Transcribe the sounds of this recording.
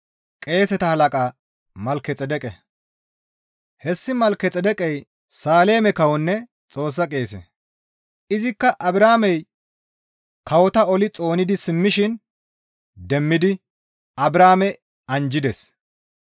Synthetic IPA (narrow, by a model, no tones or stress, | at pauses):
kʼe̞ːsɛt̪ɐhɐlɐkʼaː | mɐlkːɛt͡sʼɛd̪ɛkʼɛ | hɛsːɪmɐlkɛt͡sʼɛd̪ɛkʼɛj | saːle̞ːmɛkɐwɔnːɛ | t͡sʼo̞ːs̬ːɐkʼe̞ːsɛ̰ | ɪzɪkːɐʔɐbɾaːmɛj | kɐwɔt̪ɐɔlɪt͡sʼo̞ːnɪd̪ɪsɪmːɪʃɪn | d̪ɛmːɪd̪ɪ | ɐbɾaːmɛ | ɐnd͡ʒɪd̪ɛs